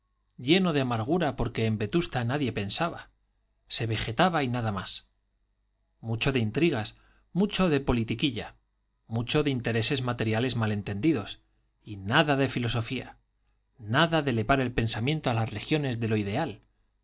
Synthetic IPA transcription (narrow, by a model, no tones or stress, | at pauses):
ɟ͡ʝe̞no̞ðeamaɾɣ̞uɾapo̞ɾke̞ːmbe̞t̪ust̪anaðje̞pe̞nsaβa | se̞βe̞xe̞t̪aβainaðamas | mut͡ʃo̞ðeint̪ɾiɣ̞as | mut͡ʃo̞ðe̞po̞lit̪ikiʎa | mut͡ʃo̞ðint̪e̞ɾe̞se̞zmat̪e̞ɾjale̞zmale̞nt̪e̞nd̪iðo̞s | inaðaðe̞filo̞so̞fia̰ | naðaðe̞le̞βaɾe̞lpe̞nsamjẽ̞nt̪oalasre̞xjo̞ne̞zðe̞lo̞iðe̞al